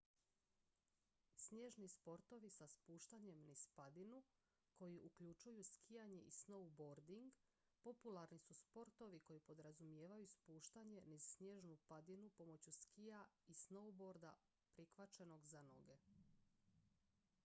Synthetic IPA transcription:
sɲe̞ʒnispo̞ɾt̪o̞ʋisaspuːʃt̪aɲe̞mnispad̪inu | ko̞jiʔukʎut͡ʃujuskʰijaɲe̞ʔisnowboɾd̪iŋɡ | po̞pulˠaɾnisuspo̞ɾt̪o̞ʋiko̞jipo̞d̪ɾazumje̞ːʋajuspuːʃt̪aɲe̞nizsɲje̞ːʒnupad̪inupo̞mo̞t͡ɕuskijaisnowbo̞ɾd̪a | pɾixʋat͡ʃeno̞ɡzano̞̰ɡe̞

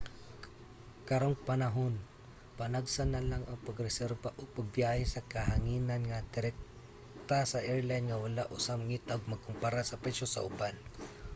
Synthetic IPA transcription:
kɐɾoŋpɐnɐɦon | pɐnaɡsanɐlaŋɐŋpɐɡɾɛsɛɾbaʔopɐɡ̚bjahɛsɐkɐɦaŋiːnɐnŋɐd̪ɪɾɛk̚ | t̪asɐʔɛɹlajnŋɐwalaʔʊsamŋit̪aoɡ̚mɐɡ̚kʊmpaɾasɐpɛsosɐ̰ʔʊban

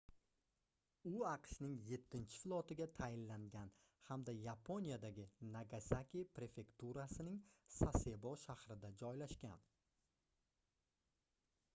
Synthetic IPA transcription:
ʊɑqʃnɪŋje̞t̪ʰːɪnt͡ʃʰɪ̥flˠɒt̪ɪɡʲat̪ʰajɪnlaŋɡʲan | hamd̪ajapʰo̞nijad̪aɡʲɪnaɡasakʲipɾe̞fe̞kt̪uɾasɪnɪŋsasebɒʃahɾɪd̪ad͡ʒɒjlaʃkʲa̰n

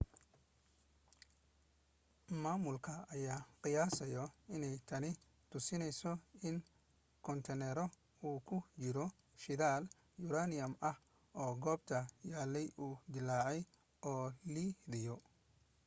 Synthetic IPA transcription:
maːmʊlkʰɐːjaːqɪjaːsɐjɔɪnɛjt̪ʰɐnɪ | t̪ʰʊsɪnɛjsɔɪn | kʰɔnt̪ʰɛnɛɾɔ | uːkʰʊt͡ʃɪɾɔ | ʃɪðaːl | jʊɾaːnɪjɐmɐh | ɔːɡɔːbt̪ʰɐjaːlːɛjuːd̪ɪlaːʕɛj | ʔɔːliːðɪjɔ

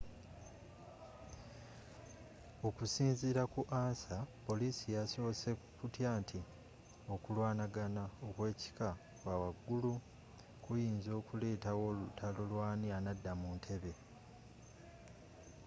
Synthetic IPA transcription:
okusiːnziɾakuʔaːnsapo̞liːsijaso̞ːse̞ | kutjaːntʰi | o̞kulwaːnaɡanaokwe̞ːci̥ka | wawaɡːulu | kujiːnzo̞ːkule̞ːtawo̞lutʰalolwaːnianadːamuːntʰe̞βe̞

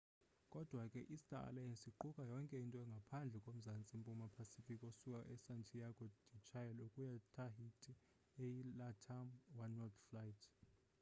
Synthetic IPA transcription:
kʼɔd̥ʱwakʼɛʔistʼaa̰lajɛnsiǃukʼajɔŋkʼɛintʼɔɛŋɡʱapʰand͡ɮʱɛkʼom̩zant͡sʼimpʼumapʰasifikʼosukʼaʔɛsantʰijaɡʼɔd̥it͡ʃʰʼajɛlukʼujatʰaɦitʰʼi | ejilatʰamwanɔt̪flajitʰ

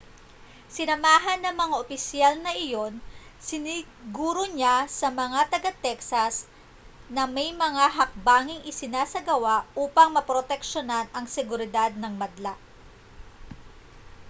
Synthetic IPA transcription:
sɪnɐmaːɦɐnːɐŋmɐŋaʔopɪsjalnɐʔɪjo̞nsɪnɪ | ɡuːɾoɲasɐmɐŋat̪ɐɡat̪ɛksɐs | nɐmɐjmɐŋaɦɐk̚baːŋɪŋʔɪsɪnaːsɐɡɐwaʔʔuːpɐŋmɐpɾot̪ɛkʃonɐnɐŋsɛɡʊɾɪd̪ad̪̚nɐŋmɐd̪laʔ

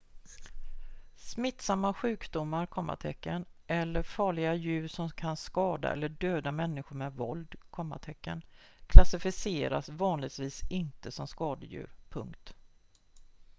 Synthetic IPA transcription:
smɪt̪ːsamːaɧʉ̟ːkd̪ʊmːaɾkʰɔmːa̰t̪ʰɛkːənʔɛlːəɾfɑːɭɪɡajʉ̟ːɾʂɔmkʰanskɑːd̪a̰ʔɛ̰lːəɖøːd̪amɛnːɪɧʊɾmɛvɔ̰ld̪kʰɔmːa̰ʈ̪ʰɛkːə̰n | kʰlasɪfɪseːɾa̰svɑːnlɪɡt̪viːsɪnt̪əsɔmskɑːd̪əjʉ̟̰ːɾpʰɵ̰ŋkt̪

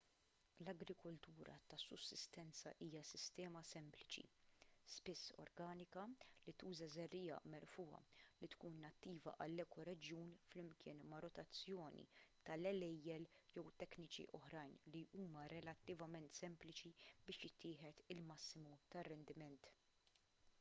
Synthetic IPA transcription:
lɐɡɾɪkɔlt̪uːɾɐ̰t̪ɐsːʊsːɪst̪ɛnt͡sɐʔiːjɐsɪst̪ɛːmɐsɛmplɪt͡ʃḭspɪsːɔ̰ɾɡɐːnɪkɐlit̪uːzɐzɛrːiːɐ̰mɛɾfuːɐ̰lit̪kuːnːɐt̪ːiːvɐ̰ʔɐlːɛːkɔɾɛd͡ʒjuːnflɪmkʰɪːnmɐɾɔt̪ɐt͡sːjɔːnḭt̪ɐlɛlɛjːɛljɛwt̪ɛknɪt͡ʃḭʔɔħɾɐjnliʔuːmɐɾɛlɐt̪ːɪvɐmɛnt̪sɛmplɪt͡ʃibɪːʃjɪt̪ʰːɪːħɛt̪ɪlmɐsːɪmut̪ɐrːɛnd̪ɪmɛnt̪

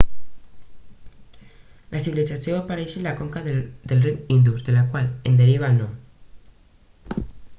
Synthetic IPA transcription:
lʔasiβilisasjoapaɾeʃelakoŋkaððelriind̪uzðelakwalḛnd̪eɾiβ̞alno

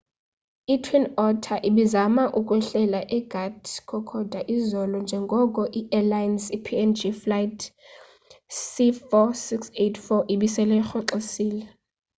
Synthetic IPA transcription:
itʰwinɔtʰaʔiɓizamaʔuk̬ʼwɛɬɛlaʔɛɡ̥ʱatʰkʰɔkʰɔd̥ʱaʔizɔlɔnd͡ʒʱɛŋɡʱɔkʼɔʔiʔɛlajnsipʰiɛnd͡ʒiflajtʰ | sifɔsiksetʰfɔʔiɓisɛlɛxɔǁosiːlɛ

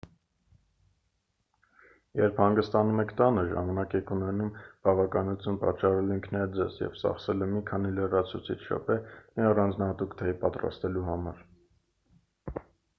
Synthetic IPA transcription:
jɛɾpʰhɑŋɡəst̪ɑnumɛkʰt̪ɑnəʒɑ̰mɑnɑkɛkʰunɛnumb̥ɑvɑkɑnut͡s̪ʰjunpɑt͡ʃːɑrɛliŋkʰnɑjɛd͡zɛzjɛ̰vt͡sɑ̰χsɛləmikʰɑnilərɑt͡sʰut͡sʰit͡ʃʰʃɔ̰pʰɛmiɑrɑnd͡znɑhɑt̪ukt̪ʰɛpɑt̪rɑ̰st̪ɛluhɑmɑɾ

